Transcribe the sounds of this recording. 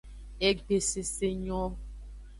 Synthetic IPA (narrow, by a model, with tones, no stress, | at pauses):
e˦ɡ͡be˨se˨se˦ɲɔ̃˦